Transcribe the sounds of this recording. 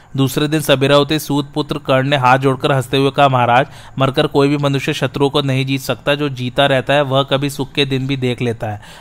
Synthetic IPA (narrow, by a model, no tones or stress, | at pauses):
d̪uːsɾed̪ɪnsɐbɪɾaɦʊt̪esuːt̪̚pʊt̪ɾəkɐɾɳneɦaːt̪̚d͡ʒoːɽkəɾɦɐst̪eɦʊekaɦmɐɦaːɾaːd͡ʒ | mɐɾkəɾkoːibʱimɐnʊʃjəʃɐt̪ɾuõkonɐɦĩd͡ʒiːt̪sɐkt̪aɦɛd͡ʒoːd͡ʒiːt̪aɾɛɦt̪aɦɛʋɐɦkɐbʱisʊkʰːed̪ɪnbʱid̪eːkʰleːt̪aɦɛː